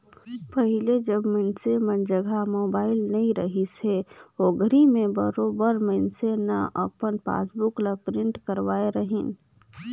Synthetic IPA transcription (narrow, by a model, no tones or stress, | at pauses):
pəɦiled͡ʒəbmənsemənd͡ʒəɡʱamobaɪlnəĩɾəɦiseoɡəɾimẽbəɾobəɾməɪnsenaʔə̰pənpa̰sbukləpɾiɳʈkəɾʋaeɾəɦin